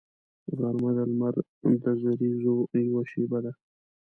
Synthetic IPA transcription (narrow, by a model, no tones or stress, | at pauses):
ɣaɾmad̪almaɾ | d̪əzaɾizojawaʃebad̪a